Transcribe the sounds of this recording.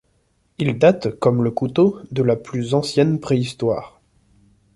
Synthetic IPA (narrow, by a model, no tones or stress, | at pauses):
ild̪at̪kɔmləkut̪od̪əlaplyzɑ̃sjɛnpχeist̪wa̰ːʁ